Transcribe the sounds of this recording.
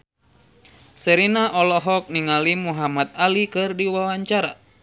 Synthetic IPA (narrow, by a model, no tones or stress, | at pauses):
səɾinaʔɔlɔɦɔk̚niŋalimuɦamat̪̚alikɨrdiwawaɲt͡ʃaɾa̰